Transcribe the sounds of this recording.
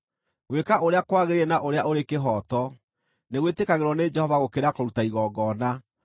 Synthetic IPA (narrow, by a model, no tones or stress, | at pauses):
ɣwekaʔoɾeakwaɣeɾeenaʔoɾeaʔoɾekeɦɔːtɔ | neɣwetekaɣeɾwɔned͡ʒɛhɔvaɣokeɾakoɾutaiɣɔɡɔːna